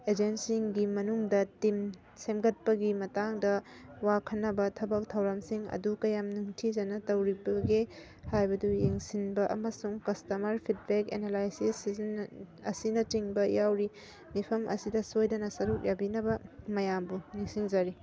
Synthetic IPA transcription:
ed͡ʒensiŋɡimɐnuŋdɐtim | semɡɐt̚pɐɡimɐtaŋdɐwakʰɐnːɐbɐtʰɐbɐk̚tʰɐwɾɐmsiŋɐ̰dukɐjamnuŋtʰizɐnɐtɐwɾibɐɡe | hajbɐdujeŋsinbɐʔɐ̰mɐsuŋkɐstɐmɐɾpʰit̚bekḛnelajsisznɐsinɐtiŋbɐjawɾi | mipʰɐmʔɐ̰sidɐsojdɐnɐsɐɾuk̚jabinɐbɐmɐjambuniŋsiŋzɐɾi

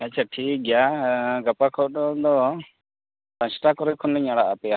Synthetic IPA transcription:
ɛt͡ʃʰaʈʰik̚ɡjaɡapakʰɔɔd̪ɔ | sãsʈakɔɾɔjkʰɔnlɛɲaɽaʔapɛja

